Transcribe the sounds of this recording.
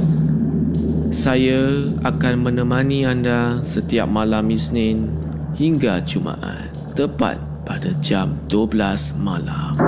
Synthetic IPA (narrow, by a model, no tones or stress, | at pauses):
sajaakanmə̃nə̃mãnĩandasət̪ia̰p̚mãlamisnɪn | hiŋɡat͡ʃumã̰ʔa̰n | t̪əpa̰t̪̚padad͡ʒamduəblasmalam